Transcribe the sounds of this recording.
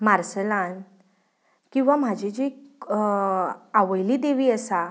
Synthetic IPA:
maɾsəlan | kĩw̃ʋam̤ad͡ʑʱed͡ʑe | aʋəjliːd̪eʋiːəsa

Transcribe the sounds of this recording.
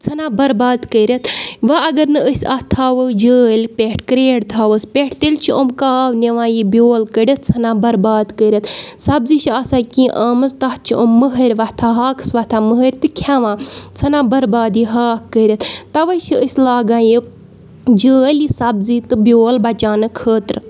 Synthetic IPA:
t͡sʰɐnãːbɐɾbaːd̪kəɾʲɐt̪ʰʋɐɐɡɐɾnɨəsʲɐ̰ht̪ʰaːʋəd͡ʒəːlʲpʲeʈʰkɾeːɽt̪ʰaːʋəspʲeʈʰt̪elʲt͡ʃʰiʔomkaːwneʋãːjibjoːlkəɽʲɐt̪̚t͡sʰɐnãːbɐɾbaːd̪kəɾʲɐt̪sɐbziʃiɐːsaːkĩːʔɐːmɨzt̪ɐht͡ʃʰiʔomːəɦɐɾʲʋɐt̪ʰaːɦaːksʋɐt̪ʰaːməɦəɾʲt̪ɨkʰaʋãːt͡sʰɐnãːbɐɾbaːd̪iːɦaːkːəɾʲɐt̪t̪ɐʋɐʃiəsʲlaːɡãːji | d͡ʒəːlisɐbziːt̪ɨbʲjoːlbɐt͡ʃaːnɨkʰəːt̪ɾɨ

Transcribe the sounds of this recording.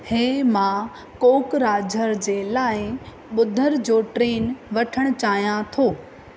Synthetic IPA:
heːmã | koːkɾaːd͡ʑʱəɾd͡ʑeːlaːɪ | ɓʊd̪ʱəɾd͡ʑoːʈɾeːnʋɐʈʰəɽ̃ʊ̆t͡ɕaːɦijãt̪ʰoː

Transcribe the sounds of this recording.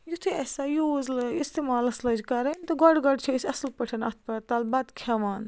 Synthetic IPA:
jut̪ʰiɐsajuːzlist̪eːmaːlɐslɐd͡ʒkɐɾent̪ɐɡɔɖɡɐɖt͡ʃʰisʲɐslpɐʈʰɐnɐt̪ʰpɐt̪ɐlbɐd̪kʰaʋaːn

